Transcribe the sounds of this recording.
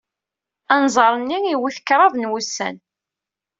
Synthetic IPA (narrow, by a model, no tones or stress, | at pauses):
ænzˤəɾˤənːiiwiθə̥kːɾˤɑðˤnwusːæ̰n